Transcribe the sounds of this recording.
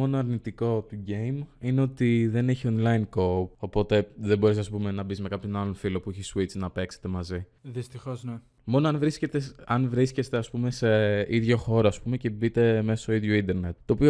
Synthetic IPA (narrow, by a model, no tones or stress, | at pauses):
o̞noɐɾnit̪iko̞t̪uɟe̞jmine̞o̞t̪iðe̞neçio̞nlainko̞po̞po̞t̪e̞ðe̞bo̞ɾes̬ɐspume̞nɐbizmekɐpço̞nɐlonfilo̞puiçesuit͡sinɐpe̞kset̪e̞mɐzi | ðist̪ixozne | mo̞noɐnvɾiscet̪eɐnvɾisce̞st̪eɐspume̞se̞iðʝo̞xo̞ɾoɐspume̞ce̞bit̪e̞mesɐst̪oiðʝoind̪e̞ɾne̞t̪ːo̞ːpio